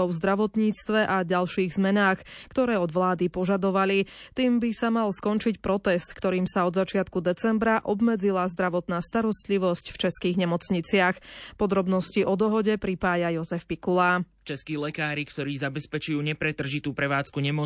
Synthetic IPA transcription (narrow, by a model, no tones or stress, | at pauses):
ɔʊvzd̪ɾaʋɔt̪ɲiːt͡st̪ʋɛʔaɟalʃiːɣzmɛnaːxkt̪ɔɾɛːɔd̪ʋlaːd̪ipɔʒad̪ɔʋali | t̪iːmbisamalskɔnt͡ʃicpɾɔt̪ɛst̪kt̪ɔɾiːmsaɔd̪zat͡ʃɪat̪kud̪ɛt͡sɛmbɾaʔɔbmɛd͡zilazd̪ɾaʋɔt̪naːst̪aɾɔst̪liʋɔscft͡ʃɛskiːɣɲɛmɔt͡sɲit͡sɪaxpɔd̪ɾɔbnɔsciʔɔd̪ɔɦɔɟɛpɾipaːjajɔzɛfpikulaːt͡ʃɛskiːlɛkaːɾikt̪ɔɾiːzabɛspɛt͡ʃujuːɲɛpɾɛt̪r̩ʒit̪uːpɾɛʋaːt͡skuɲɛmɔ